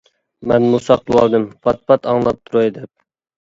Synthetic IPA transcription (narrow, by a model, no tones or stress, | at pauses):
mɛnmusɑqlˠɨwɑ̰lˠd̪ɨmpʰɑt̪̚pʰɑt̪ʰɑŋlˠɑp̚t̪ʰuɾojd̪ɛp̚